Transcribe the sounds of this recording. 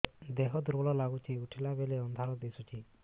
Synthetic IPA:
d̪ɛɦɔd̪uɾbɔlɔlaɡut͡ʃʰiuʈʰilabeleɔnd̪ʱalɔd̪esut͡ʃʰi

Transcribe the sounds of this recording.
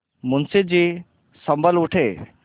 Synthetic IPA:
mʊnsid͡ʑi | sɐmbʱəluʈʰeː

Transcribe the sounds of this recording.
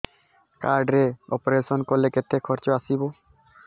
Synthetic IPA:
kaɾɖɾeɔ̰poɾesɔnkoɾleket̪ʰːekʰɔɾt͡ɕoasibo

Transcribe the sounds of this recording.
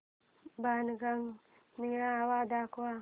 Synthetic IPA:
banɡaŋ | niɾaawaːd̪aːkwa

